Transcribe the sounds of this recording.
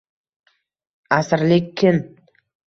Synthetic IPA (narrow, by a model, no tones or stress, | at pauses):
asɾlɪkʲʰːɪn